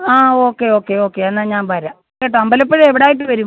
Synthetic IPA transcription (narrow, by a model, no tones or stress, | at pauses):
aːo̞ːkːeo̞ːkːeo̞ːkːeɐnːaɲaːnbɐɾa | eʈ̬ːɐmbɐlɐp̬ːeɻeʋiɽaːjiʈ̬ːɨʋɐɾu